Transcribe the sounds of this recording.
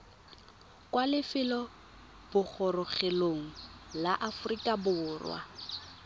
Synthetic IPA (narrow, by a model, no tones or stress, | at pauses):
kʼwalɪfɪlɔ | b̥ʊk͡xʰɔrʊχeloŋ̩laʔafʊrikʼabʊʊːrwa̰